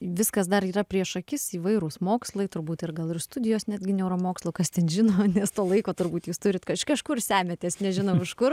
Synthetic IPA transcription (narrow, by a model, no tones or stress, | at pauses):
ʋʲɪskɐsd̪ɐɾiːɾɐpʲɾʲiɛʃɐkʲɪsiːʋɐɪɾusmoːkslˠɐɪt̪ʊɾbuːt̪ɪrɡɐlˠɪrst̪ʊdʲɪjoːsnʲæːd̪ʲɡʲɪnʲɛʊɾɐmoːkslˠoːkɐst̪ʲɛnʒʲɪnoːnʲɛst̪oːlˠɐɪkoːt̪ʊrbuːt̪juːst̪ʊɾʲɪt̪kɐʃkɐʃkʊrsʲæːmʲɛt̪ʲeːsnʲɛʒʲɪnɐʊɪʃkʊr